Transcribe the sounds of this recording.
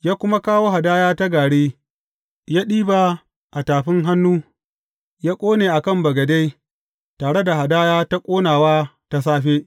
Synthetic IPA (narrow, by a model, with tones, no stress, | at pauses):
jaː˦kʷʊ˦ma˦kaː˦woː˦ha˨daː˦jaː˦ta˦ɡaː˨ɽeː˦ | jaː˦ɗiː˦ba˨ | ʔa˨taː˨ɸɪ˦ŋɦa˦nːuː˦ | jaː˦kʷʼoː˦neː˨ʔa˨kɐ˦˨mbɐ˨ɡɐ˨da˦j | taː˨ɽe˦da˨ha˨daː˦jaː˦ta˦kʷʼoː˦naː˨waː˦ta˦s̬aː˦ɸeː˦